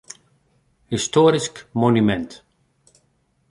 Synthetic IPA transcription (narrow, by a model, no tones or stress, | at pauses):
histoːɾiskmonymɛnt